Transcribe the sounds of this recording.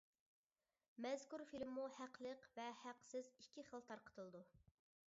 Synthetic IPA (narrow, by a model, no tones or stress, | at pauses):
mɛzkuɾfilmːuhæqlˠəqvɛhæqsɪzikʲʰːiχəlˠt̪ʰɑɾqə̥t̪ʰɨlˠɨd̪u